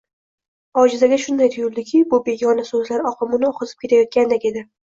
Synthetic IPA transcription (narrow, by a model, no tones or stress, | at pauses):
ɒd͡ʒɪzaɡʲaʃʊnd̪ajt̪ʰʊjʊlˠd̪ɪkʲʰɪbʊbe̞ɡʲɒnasɵzlaɾɒqʰɨmʊnɪɒqʰɨzɪ̥p̚kʰʲe̞t̪ʰajɒt̪̚kʲand̪akʲe̞d̪ɪ